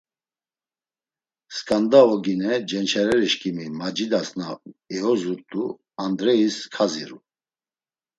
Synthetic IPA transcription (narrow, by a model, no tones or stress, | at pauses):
skʼand̪aɔɡinɛd͡ʒɛnt͡ʃʰɛɾɛɾiʃkʼimimad͡ʒid̪asnaɛɔzuɾt̪ʼu | and̪ɾɛiskʰaziɾu